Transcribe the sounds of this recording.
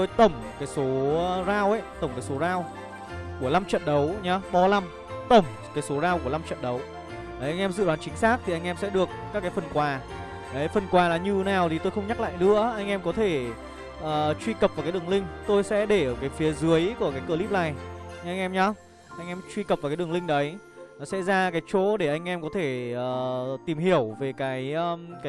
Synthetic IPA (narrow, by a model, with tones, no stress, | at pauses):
t̪o˧jt̪ə˧˩wŋ͡mkaː˨˦jso˨˦zaː˧wʔə˧˦jt̪ə˧˩ŋ͡mkaː˨˦jso˨˦zaː˧w | ku˧˩əla˧mt͡ɕə̰˧˨nɗə˨˦wɲa˨˧ɓɔ˧la˧m | t̪ə˧˩wŋ͡m | kaː˨˦jso˨˦zaː˧wku˧˩əla˧mt͡ɕə̰˧˨nɗə˨˦w | ʔə˨˦ʔjŋ̟ʔɛ˧mzɨ̰˧˨ɗwaː˨˦nt͡ɕï˨˦ŋ̟saː˦˥k̚t̪ʰi˨ʔa˧jŋ̟ʔɛ˧msɛ̰˧˥ɗɨ˨˩əkːaː˦˥kːaː˨˦jfə˨˩nkwaː˨˩ | ʔə˨˦jfə˨˩nkwaː˨˩laː˨˩ɲɨ˨˩naː˨˩wt̪ʰi˨˩t̪o˧jxə˧wŋ͡mɲa˦˥k̚la̰ː˧˨jnɨ̰˧˥əʔa˧jŋʔɛ˧mkɔ˨˦t̪ʰe˧˩ | ʔəː˨˩t͡ɕwi˧kə˨˩p̚vaː˨˩kaː˨˦ɗɨ˨˩əŋlï˧ŋ̟t̪o˧jsɛ̰˧˥ɗe˧˩˨kaː˨˦jfi˨˦əzɨ˨˦əjku˧˩əkaː˨˦jkə˧li˦˥p̚laː˧˩jʔa˧ŋ̟ʔɛ˧mɲɔ˧ | ʔa˧jŋʔɛ˧mt͡ɕwi˧kə˨˩p̚va˨˩kaː˨˦ɗɨ˨˩əlï˧ŋ̟ɗə˨˦j | sɛ̰˧˥zaː˧kaː˨˦jt͡ɕo˧˨˦ɗe˧˩ʔa˧jŋ̟ʔɛ˧mkɔ˨˦t̪ʰe˧˩ʔəː˨t̪i˨˩mhi˧˩əwve˨˩kaː˨˦jʔəː˧ka˨˦